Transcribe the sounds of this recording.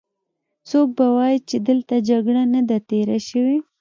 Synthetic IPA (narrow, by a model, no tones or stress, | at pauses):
sok̚bawɑjit͡ʃed̪əlt̪ad͡ʒaɡɽanad̪at̪eɾaʃəwi